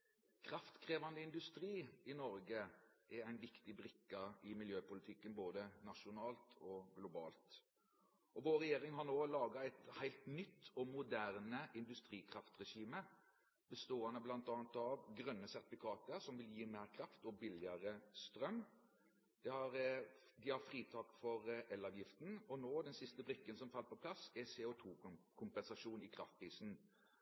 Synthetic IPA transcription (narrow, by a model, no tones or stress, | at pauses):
kʰɾɑft̪kʰʁeːʋɑnd̪əɪnd̪ʉst̪ɾiːɪnɔɾɡəʔɛɾæɪnʋɪkt̪ɪbɾɪkːɑɪmɪljøːpʊlɪt̪ʰɪkːənboːd̪ənɑʂʊnɑːlt̪ʰɔɡlʊbɑ̰ːlt̪ | ɔʋoːɾɛjeːɾɪŋɦɑnoːlɑːɡɑæɪt̪hæɪlt̪nʏt̪ʰːɔmʊd̪æʁnəʔɪnd̪ʉst̪ɾiːkʰɾɑft̪ʁɛʂiːmə | b̥əst̪oːənəblɑnt̪ɑːnt̪ɑʋɡʁœnːəsæʁt̪ɪfɪkʰɑːt̪əɾsɔmʋɪljiːmeːʁkʰɾɑft̪ɔbɪlɪɑɾəst̪ɾœmː | d̪̥ɛhɑɾd̪ɪhɑfɾiːt̪ʰɑːkfɔɾʔɛlɑʋjɪft̪n̩ɔnoːd̪ɛnsɪst̪əbɾɪkːənsɔmfɑlːpɔpʰlɑsɛsɛʊt̪ʰuːkʰʊmpɛnsɑʂuːnɪkʰɾɑft̪̚pʰɾiːsn̩